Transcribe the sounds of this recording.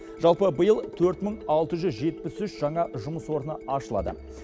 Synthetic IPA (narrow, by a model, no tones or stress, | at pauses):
ʒ̥ɑlˠpəbəjəlˠt̪ʰɵɾt̪məɴɑlˠt̪əʒʏzʒe̞t̪̚pɪsʏʃʒ̥ɑɴɑʒʊməswo̞ɾənəɑʃəlˠɑ̰d̪ə̰